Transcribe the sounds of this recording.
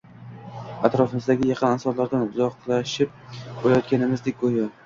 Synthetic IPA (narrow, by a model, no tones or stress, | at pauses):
at̪ɾɒfɪmɪzd̪aɡʲɪjɑqʰɨnansɒɾlaɾd̪anʊzɒqlˠaʃɪp̚bolajɒt̪̚kʲanɪmɪzd̪ek̚ʲɡojɒ